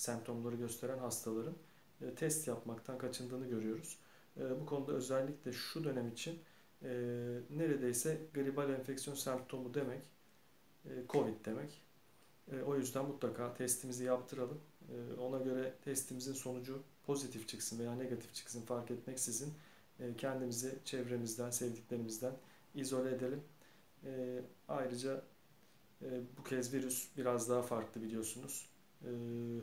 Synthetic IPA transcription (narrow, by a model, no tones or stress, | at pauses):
sæmp̚t̪ʰo̞mlˠaɾɯɟø̞st̪ʰe̞ɾænɦast̪ʰalˠaɾɯn | ɯːt̪ʰɛst̪japmakt̪ʰankʰat͡ʃʰɯnd̪ɯːnɯɟø̞ɾyjo̞ɾuz̥ | bukʰo̞nud̪aø̞zɛlʲːiclʲɛʃud̪ø̞nɛmit͡ʃʰinː | e̞ɾe̞d̪e̞jsɛɡɯɾibalʲɛnfɛcsijo̞nsɛmp̚t̪ʰo̞mud̪e̞mɛc | kʰo̞vid̪̚d̪e̞mɛcː | o̞jyzd̪ænmut̪lˠakʰaːt̪ʰɛst̪ʰimizijap̚t̪ʰɯɾalˠɯmːo̞naɟø̞ɾɛt̪ʰɛst̪ʰimizinso̞nud͡ʒupʰo̞zit̪ʰift͡ʃʰɯksɯnve̞jaːneɡat̪ʰi̥ft͡ʃʰɯ̥ksɯnfaɾkɛt̪mɛcsizinː | cʰɛnd̪imizɛt͡ʃʰɛvɾe̞mizd̪ænsɛvd̪iclʲe̞ɾimizd̪æn | izo̞lʲed̪elʲimː | ajɾɯd͡ʒa | bucʰɛzviɾysbiɾazd̪aɦafaɾklˠɯbilʲijo̞ɾsunuz̥ː